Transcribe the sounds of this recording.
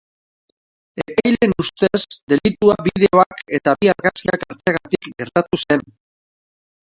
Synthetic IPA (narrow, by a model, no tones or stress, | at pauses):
epajle̞nust̪e̞sd̪e̞lit̪uaβið̞e̞o̞ake̞t̪aβiaɾɣaskiakaɾt͡seɣat̪ikɡe̞ɾt̪at̪use̞n